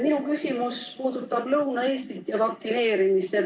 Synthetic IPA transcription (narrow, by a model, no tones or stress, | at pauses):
minukysʲimuspuːd̪̥ut̪ːˑɑb̥lɤwnɑeːst̪ik̪ːjɑvɑk̚t̪sine̞ːɾimist̪ːe